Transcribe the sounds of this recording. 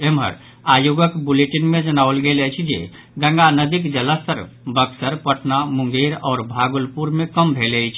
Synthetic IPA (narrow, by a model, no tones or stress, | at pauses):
emɦə̰ɾ | ajoɡəkbuleʈinmẽd͡ʒənaʋəlɡelət͡ʃʰid͡ʒḛ | ɡə̃ŋɡanəd̪ikd͡ʒələst̪əɾ | bəksəɾpəʈʰnamʊ̃ŋɡeɾɔːɾbʱaɡulpuɾmẽkəmbʱeləjt͡ʃʰ